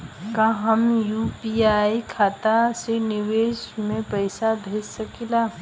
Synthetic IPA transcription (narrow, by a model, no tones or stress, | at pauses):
kaɦəmjupiaikʰaːt̪asenɪʋeːsmẽpəɪsabʱeːssəkilaː